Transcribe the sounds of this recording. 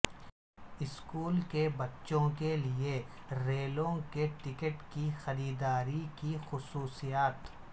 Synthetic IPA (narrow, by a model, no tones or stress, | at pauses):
ɪskuːlkebɐtːʃõkelie | ɾeːlõkeʈɪkəʈkixɐɾiːd̪aːɾikixʊsuːsijaːt̪